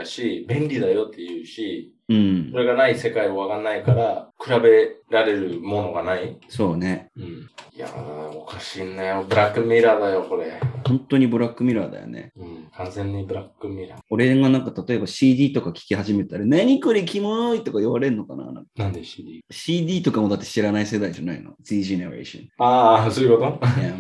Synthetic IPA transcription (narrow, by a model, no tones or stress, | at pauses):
ɕibẽ̞nɾʲid̪ajo̞t̪ːejɯ̟ːɕi | ɯ̟̃ɴo̞ɾe̞ɡanaise̞kaioβakanːaikaɾakɯ̟ɾabe̞ɾaɾe̞ɾɯ̟mo̞no̞ɡanaiso̞ːne̞ɯ̟̃ɴja̰okaɕiːnːajobɯ̟ɾakːɯ̟mʲiɾad̪ajo̞ko̞ɾehõ̞nt̪o̞ɲ̟ibɯ̟ɾakːɯ̟mʲiɾad̪a̰jo̰nḛɯ̃kʰãnzẽ̞ɲ̟ːibɯ̟ɾakːɯmʲiɾao̞ɾe̞ɡanãŋkat̪at̪o̞e̞baɕiːd̪ʲiːt̪o̞kakʲi̥kʲihaʑime̞t̪aɾanaɲ̟ikɯ̟ɾʲikʲimonoit̪ːo̞kaiβaɾe̞ɯ̟nːokana̰nã̰ŋkanãnd̪eɕiːd̪ʲiːt̪o̞kamo̞d̪at̪ːeɕiɾanaise̞d̪aiʑanaḭno̰d̪iːʑeneɾḛɕõ̰aːsoikot̪oja